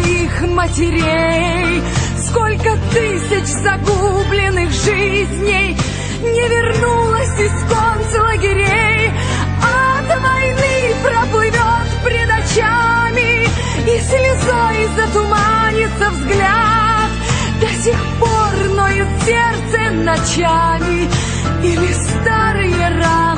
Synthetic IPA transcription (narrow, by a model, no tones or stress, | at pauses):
ix | mətʲɪɾʲejj | skolʲkət̪ɨsʲɪt͡ɕzɐɡublʲɪnːɨxʐɨzʲnʲɪj | nʲɪvʲɪrnulˠəsʲɪskonslˠəɡʲɪɾʲej | at̪vɐjnɨpɾəplˠɨvʲot̪pɾʲɪd̪ɐt͡ɕamʲɪ | isʲlʲɪzojɪzət̪ʊmanʲɪt̪səvzɡlʲat̪ | d̪ɐsʲexpornojɪsʲert̪sə | nɐt͡ɕamʲɪ | ilʲɪsst̪aɾɨjəra